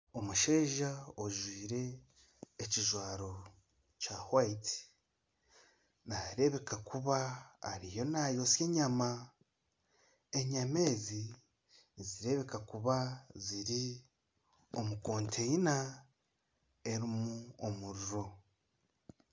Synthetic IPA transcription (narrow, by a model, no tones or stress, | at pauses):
o̞muʃe̞ːʒaoʒwiːɾe̞ː | ciʒwaːɾo̞ | cahwaiti̥ | naɾe̞βe̞kakuβa̰ːɾijo̞najo̞sjeɲama | e̞ɲame̞ːzi | nziɾe̞βe̞kakuβaziɾi | o̞muko̞ːntʰeina | e̞ɾimuomuɾuɾo̞